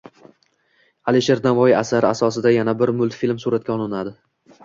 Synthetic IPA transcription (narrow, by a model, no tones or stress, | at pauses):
aliʃeɾd̪avɒjɪasaɾɪasɒsɪd̪ajanabɪɾmʊlˠt̪filʲmsuɾat̪̚kʲaɒlˠɪnad̪ɪ